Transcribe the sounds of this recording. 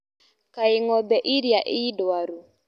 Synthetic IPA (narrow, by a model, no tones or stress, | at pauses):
kaɪŋɔbɛʔiɾjaʔɪidoaɾu